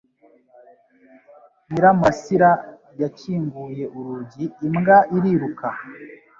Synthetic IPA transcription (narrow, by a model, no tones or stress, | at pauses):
niɾamasiɾa | jaciːŋɡuje̞ʔuɾuɟiːmɡaʔiɾiɾuka